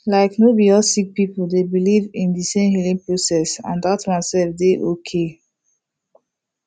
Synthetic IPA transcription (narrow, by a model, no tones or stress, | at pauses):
laɪknobiɔsik̚pipuldebilivĩndisẽmhilĩŋpɹosɛsã̰ndatɹãnsɛvdeʔokʰe